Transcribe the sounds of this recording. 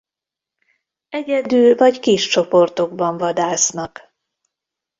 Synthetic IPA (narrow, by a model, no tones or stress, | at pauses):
ɛɟɛd̪yːlvɒckiʃt͡ʃo̞po̞rt̪o̞ɡ̚bɒɱvɒd̪aːsnɒk